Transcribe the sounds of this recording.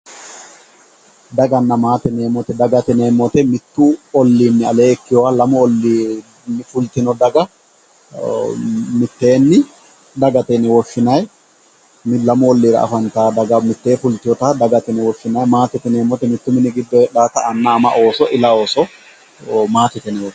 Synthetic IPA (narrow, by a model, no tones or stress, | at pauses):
d̪ɐɡɐnːɐmaːt̪ɛne̞ːmɔt̪ɛd̪ɐɡɐt̪ɛne̞ːmːɔt̪ɛmɪt̪ːʊɔlːiːnːɪɐle̞ːɛkːɪjɔwalɐmɔɔlːi | nːɪfʊlt̪ɪnɔd̪ɐɡɐ | mɪt̪ːe̞ːnːɪ | d̪ɐɡɐt̪ɛnɛwɔʃːɪnɐj | mɪlɐmʊɔlːiːɾɐ̰ʔɐ̰fɐnt̪aːd̪ɐɡɐmɪt̪ːe̞ːfʊlt̪ːɪjɔt̪ad̪ɐɡɐt̪ɛnɛwɔʃːɪnɐjmaːt̪ɛt̪ɛne̞ːmɔt̪ɛmɪt̪ːʊmɪnɪɡɪd̪ːɔɛɗaːt̪ɐɐnːɐːmɐ̰ʔo̞ːsɔʔɪlɐoːsɔ | maːt̪ɛt̪ɛnɛwɔ